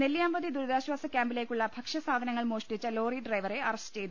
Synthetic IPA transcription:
neljaːmbɐðid̪uɾuðaːɕwaːsɐkʲjaːmbile̞ːkʲːuɭːɐbʱɐkʂɐsaːd̪ʱɐnɐŋːɐɭmoːʂʈit͡ɕːɐlo̞ːriɖrɐjʋɐre̞ɐrɐsɨt͡ɕe̞jt̪u

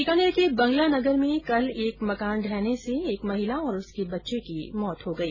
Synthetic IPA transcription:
ikaːnekibɐ̃ŋɡlanɐɡəɾmẽkɐleːkmɐkaːnɖʱɛːneseeːkmɐɦɪlaɔːɾʊskebɐtːʃekimɔːt̪ɦoɡɐiː

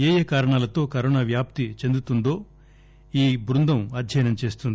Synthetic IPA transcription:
eːjɐkaːɾɐɳaːlɐt̪o̞ːkɐɾoːnaːʋjaːp̚t̪it͡ʃe̞nd̪ut̪und̪o̞ː | iːbɾund̪ɐmɐd̪ʱjɐjnɐmt͡ʃe̞ːst̪und̪i

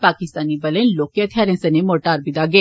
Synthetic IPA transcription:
paːkɪst̪aːnibɐlẽnloːkiɐt̪ʰjaːɾẽnsɐnẽmoːʈaːɾbɪd̪aɡɐeː

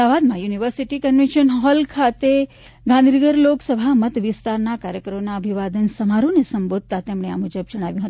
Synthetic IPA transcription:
aʋad̪mãjuniʋəɾsiʈikənʋẽnʃənɦɔlkʰat̪e | ɡãnd̪ʱinəɡəɾloksəbʱamət̪ʋɪst̪aɾnakaɾjəkɾəmonaəbʱiʋad̪ənsəmaɾonesəmbod̪̚ʱt̪at̪emɳ̃ea̰mud͡ʒəb̚d͡ʒəɽ̃aʋjũɦət̪

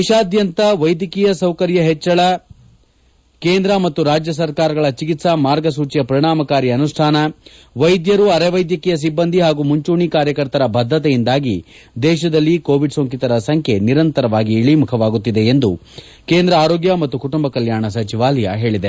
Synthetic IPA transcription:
iʃaːd̪jɐnt̪ɐʋɐjd̪ikijɐsɐwkɐɾjɐɦɛt͡ʃːɐɭɐ | keːnd̪ɾɐmɐt̪ːuɾaːd͡ʒjɐs̬ɐɾkaːɾɐɡɐɭɐt͡ʃikit̪sɐmaːɾɡɐsuːt͡ʃijɐpɐɾiɳaːmɐkaːɾiɐnuʂʈʰaːnɐ | ʋɐjd̪jɐɾuɐɾeʋɐjd̪jɐkɛjɐs̬ibːɐnd̪ʱiɦaːɡumuɲt͡ʃuːɳikaːɾjɐkɐɾt̪ɐɾɐbʱɐd̪ʱːɐt̪ɛjind̪aːɡi | d̪ɛːʃ̬ɐd̪ɐlːikoːʋiɖsoːŋkit̪ɐɾɐsɐŋkʰe̞niɾɐnt̪ɐɾɐʋaːɡiːɭimukʰɐʋaːɡut̪ːid̪e̞ːnd̪u | keːnd̪ɾɐaːɾo̞ːɡjɐmɐt̪ːukuʈumbɐkɐljaːɳɐs̬ɐt͡ʃiʋaːlɐjɐ̰ɦe̞ːɭid̪e̞

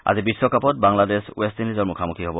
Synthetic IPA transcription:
a̰zibisːɔkʰapɔt̚baŋladeswestinizɔɹmukʰamukʰiɦɔbɔ

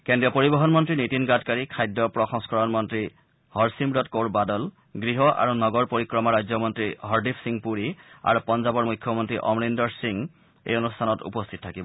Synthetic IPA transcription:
kendiɔpoɹibɔɦɔnmɔntɹinitinɡatkaɹikʰajdːɔpɹɔxɔŋskɔɹɔnmɔntɹi | hɔɹsimbɹɔtkoɹbadɔl | ɡɹiɦɔʔa̰ɹunɔɡɔɹpoɹikɹɔmɔɹajzɔmɔntɹiɦɔɹdipʰsiŋpuɹia̰ɹupɔnzabɔɹmujkʰjɔmɔntɹiʔɔ̰mɹindɔɹsiŋ | ḛjonustʰanɔtṵpɔstʰit̚tʰakibɔ

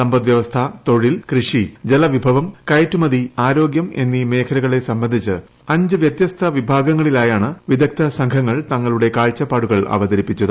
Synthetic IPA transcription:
sɐmbɐd̪ʋjɐʋɐst̪ʰɐt̪o̞ɻilkrɨʂid͡ʑelɐʋibʱɐʋɐmkɐjɐtːumɐðiaːɾo̞ːɡjɐme̞̰nːime̞ːkʰɐɾɐɣɐɭe̞sɐmbɐnd̪ʱit͡ɕːɨ | ɐɲd͡ʑɨʋjɐt̪jɐst̪ʰɐʋibʱaːɡɐŋːɐɭilaːjaːɳɨʋid̪ʱɐk̚t̪ʰɐsɐŋkʰɐŋːɐɭt̪ɐŋːɐɭuɽe̞kaːɭt͡ɕːɐpːaːɽuɣɐɭɐ̰ʋɐd̪ɐɾipːit͡ɕːɐðɨ

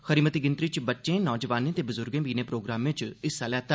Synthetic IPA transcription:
xəɾiːmət̪iɡɪnt̪ɾiːt͡ʃbətːʃẽːnɔːd͡ʒəʋaːnẽːt̪eːbʊzʊɾɡẽːbiːneːpɾoːɡɾaːmʋẽt͡ʃɪsːaːlɛːt̪aː

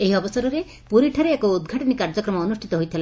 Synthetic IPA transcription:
eɦiɔbɔsɔɾɔɾe | puɾiʈʰaɾeːkɔud̪ɡʱaʈɔnikaɾd͡ʒɔkɾɔmɔːnusʈʰi̥t̪ɔɦojt̪ʰila

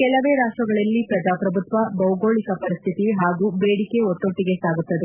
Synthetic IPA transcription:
kɛlɐʋeːɾaːʈɾɐɡɐɭɐlːipɾɐd͡ʒaːpɾɐbʱut̪ʋɐbɐwuɡo̞ːɭikɐpɐɾist̪ʰit̪iɦaːɡuːbeːɽike̞ot̪ːoʈːiɡe̞saːɡut̪ːɐd̪e̞

